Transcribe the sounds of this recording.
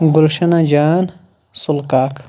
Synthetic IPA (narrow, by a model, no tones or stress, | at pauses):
ɡulʃɐnad͡ʒaːn | sulkaːk